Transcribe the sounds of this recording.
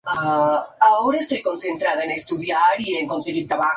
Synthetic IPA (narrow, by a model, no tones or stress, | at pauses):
aaoːɾaest̪ɔjkonsent̪ɾaːðainest̪uðjaɾieŋkonseɡiɾt̪aβa